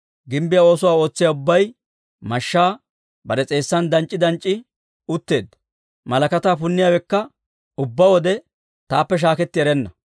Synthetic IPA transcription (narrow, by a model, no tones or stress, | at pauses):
ɡɪmbɪjao̞ːsʊwaːo̞ːt͡sːɪjaʊbːɐj | mɐʃːaː | bɐɾɛt͡sʼe̞ːsːɐnd̪ɐnt͡ʃʼːɪd̪ɐnt͡ʃʼːɪ | ʊt̪ːe̞ːd̪ɐ | mɐlɐkɐt̪aːpʊnːɪjaːwɛkːɐ | ʊbːɐwɔd̪ɛ | t̪aːpːɛʃ̬aːkɛt̪ːɪɛɾɛnːɐ